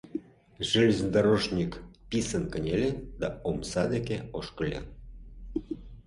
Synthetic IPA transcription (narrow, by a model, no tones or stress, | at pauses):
ʒilʲzənd̪ɑɾoʒnʲikpisənkə̆nʲelʲed̪ɑomsɑd̪ekeoʃkə̆lʲɑ̰